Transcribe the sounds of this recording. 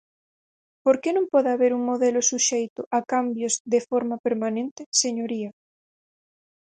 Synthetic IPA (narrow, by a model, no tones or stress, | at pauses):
poɾkenõmpɔðaβeɾuŋmoðelosuʃejt̪ʊʔakambjozðefoɾmapeɾmanẽnt̪eseɲoɾia